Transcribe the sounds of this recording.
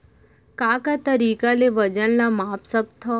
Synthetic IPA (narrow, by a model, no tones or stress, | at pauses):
kaːkat̪əɾiːkaleʋəd͡ʒənlamaːpsəkt̪ʰːɔ